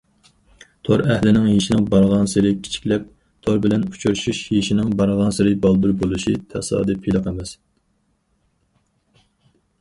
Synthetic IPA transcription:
t̪ʰoɾɛhlɪnɪŋjiʃinɪŋbɑɾʁɑnsɪɾɪkʲʰi̥t͡ʃʰi̥kʲlɛp̚ | t̪ʰoɾbɪlɛnut͡ʃʰuɾʃuʃjiʃinɪŋbɑɾʁɑnsɪɾɪbɑlˠd̪uɾbolˠuʃit̪ʰɛsɑ̰ːd̪ɨpʰilˠɨqemɛs

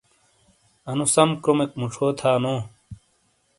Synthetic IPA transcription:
ɐnusɐmkɾomekmuʈ͡ʂʰoːt̪ʰaːnoː

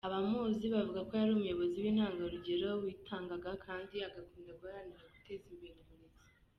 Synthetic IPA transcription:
aβamuːziβavuɡako̞jaɾiomujo̞βo̞ziwiːn̥haːŋɡaɾuɟe̞ɾo̞wiːtʰaːŋɡaɡakʰaːndiaɡakuːndaɡajaniɾaɡu̥tezimbeɾimunezi̥

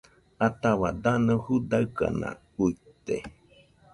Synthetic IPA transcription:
at̪aβad̪anɨ̃hud̪aɯka̰nã̰ | uit̪e

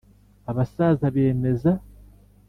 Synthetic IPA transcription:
aβasaːzaβe̞ːme̞za

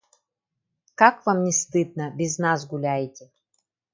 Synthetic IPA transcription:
kakvamnʲɪst̪ɨd̪̚nəbʲɪznasɡʊlʲæjtʲɪ

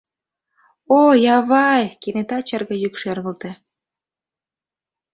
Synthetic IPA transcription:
ojɑβɑjkenet̪ɑt͡ɕərɣɤ̆jykʃerɣə̆lt̪ĕ

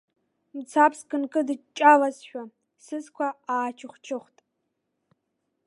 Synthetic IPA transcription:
mt͡sʰaːpskʼɨnkʼɨdɨt͡ʃʼalɐsʃᶣʷa | sɨzkʷʰaaːt͡ʃʰɪχʷt͡ʃʰɪχʷtʼ

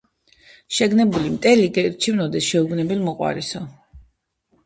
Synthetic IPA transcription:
ʃɛɡnɛbulimt̪ʼɛliɡɛɾt͡ʃʰivnɔd̪ɛsʃɛuɡnɛbɛlmɔqʼwa̰ɾisɔ

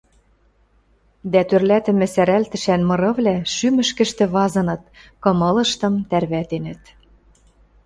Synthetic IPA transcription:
d̪æt̪ørlæt̪ɘ̆mɘ̆sæɾælt̪ɘ̆ʃænmɤ̆ɾɤ̆βlæʃymɘ̆ʃkɘ̆ʃt̪ɘ̆βɑzɤ̆nɤ̆t̪̚kɤ̆mɤ̆lɤ̆ʃt̪ɤ̆mt̪ærβæt̪enə̆t̪

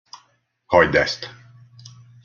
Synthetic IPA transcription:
hɒjd̪ɛ̰st̪

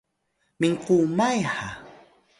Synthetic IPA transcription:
mɪɴqumajha̰

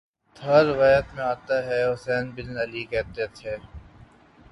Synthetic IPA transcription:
t̪ʰɐːɾɪʋaːjət̪mẽaːt̪aɦɛɦʊsɛːnbɪlɐlikɛːt̪et̪ʰeː

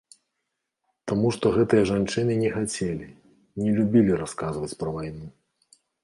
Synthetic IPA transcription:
t̪amuʂt̪ɔɣɛt̪ɨjɐʐant͡ʂɨnɨnʲɛxat͡sʲelʲi | nʲɛlʲubʲilʲiɾaskazvɐt͡sʲpɾɐvajnu

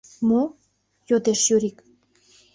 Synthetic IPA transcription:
mo | jod̪eʃjøɾik

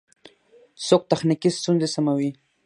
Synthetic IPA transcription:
sok̚t̪axnikist̪unzesamawi

